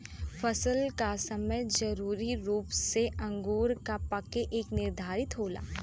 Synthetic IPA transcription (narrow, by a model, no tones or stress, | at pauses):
fʰɐsəlkasɐməjd͡ʒɐɾuːɾiɾuːpseʔɐ̃ŋɡuːɾkapɐkeʔeːknɪɾd̪ʱaːɾɪt̪ɦoːla̰ː